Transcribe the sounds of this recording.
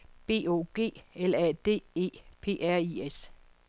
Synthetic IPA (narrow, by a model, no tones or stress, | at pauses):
b̥e̝̰ːo̝̰ːɡ̥e̝̰ːelæd̥e̝̰ːe̝̰ːpʰe̝̰ːʔæɐ̰ies